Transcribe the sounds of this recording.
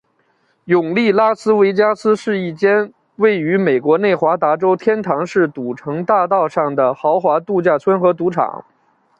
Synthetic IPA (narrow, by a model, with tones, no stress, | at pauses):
jʊ˨˩ŋli˥˩la˥sɹ̩˥we˧˥ɪt͡ɕja˥sɹ̩˥ʂɻ̩˥˧i˥˩t͡ɕjɛ˥n | we˥˩ɪy˧˥me˨˩ɪkwɔ˧˥ne˥˩ɪxwa˧˥t̪a˧˥ʈ͡ʂo˥ʊt̪ʰjɛ˥nt̪ʰɑ˧˥ŋʂɻ̩˥˩t̪u˨˩ʈ͡ʂʰɤ˧˥ŋt̪a˥˧t̪ɑ˥˧ʊʂɑ˥˩ŋd̪ə˩xɑ˧˥ʊxwa˧˥t̪u˥˧t͡ɕja˥˩t͡sʰwə˥nxɤ˧˥t̪u˧˥ʈ͡ʂʰɑ̰˨˩˦ŋ